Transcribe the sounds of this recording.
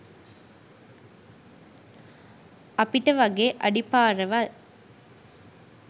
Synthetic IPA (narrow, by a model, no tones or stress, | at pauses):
ɐpːɪʈːɐʋɐɡeʔɐɽipːaːɾɐʋɐl